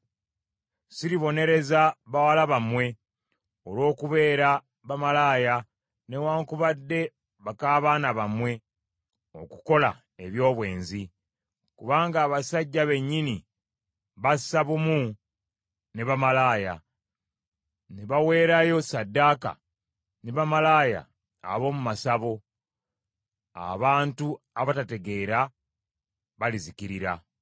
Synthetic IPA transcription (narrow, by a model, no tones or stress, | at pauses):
siɾiβo̞ne̞ɾe̞zaβawalaβamwe̞ | olwo̞ːkuβe̞ːɾa | βamalaːja | ne̞waːŋkuβadːe̞ | βakaːβaːnaβamwe̞ | o̞̰kuko̞la̰ | e̞βjo̞ːβwe̞̰ːnzi | kuβaːŋɡaːβasaɟːaβe̞ɲːini | βasaβumu | neβamalaːja | neβawe̞ːɾajo̞sadːaːka̰ | neβamalaːja̰ː | βo̞ːmumasaβo̞ | a̰βaːntu | aβatate̞ɡe̞ːɾa | βalizikiɾiɾa